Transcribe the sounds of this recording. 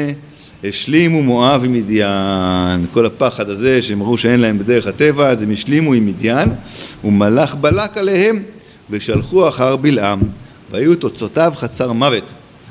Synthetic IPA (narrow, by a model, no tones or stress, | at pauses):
heʃlimumo̞avimid̪janko̞lapaχad̪aze̞ʃeemaʁuʃee̞nlahe̞mbed̪e̞ʁeχhate̞vazemeʃlimuimid̪janumalaχbalakalehe̞m | veʃalχuaχaʁbilʔam | vehajut̪o̞t͡so̞tavχat͡saʁmave̞t̪